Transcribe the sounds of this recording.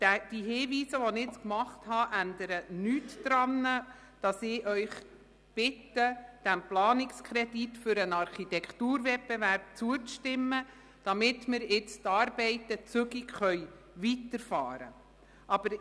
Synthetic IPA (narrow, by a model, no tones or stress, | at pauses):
d̥ɛd̥iɦɪːviːsəʋɔnɪt͡skmɑχthɑʔændəɾənyːtːɾɑnə | d̥ɑsɪːʔœʏχ | b̥ɪtːəd̥æmplɑːnɪkskʰɾɛditfʏɾənɑɾχitɛkʰtuːɾvɛpːɛvæɾp̚t͡suət͡sʃtɪmːə | d̥ɑmɪtmɪɾɪt͡stɑːɾbɛɪtət͡søɡikχœʏ | vitəɾfɑ̰ːɾə̰ | ʔɑb̥əɾ